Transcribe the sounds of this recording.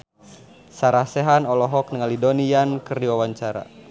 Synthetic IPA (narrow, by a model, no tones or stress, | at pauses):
saɾasɛɦanɔlɔɦɔk̚nəŋalidonijankərdiwawaɲt͡ʃaɾa̰